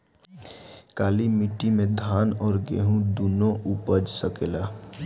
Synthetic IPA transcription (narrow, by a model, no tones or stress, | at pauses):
kaːlimɪʈimẽd̪ʱaːnɔːɾɡḛːɦũd̪unõʔupəd͡ʒsəkeːlaː